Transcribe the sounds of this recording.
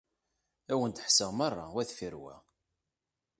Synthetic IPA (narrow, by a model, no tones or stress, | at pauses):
æwənt̪əħsəʁmɑrˤːɑ̰wæθfiɾwæ̰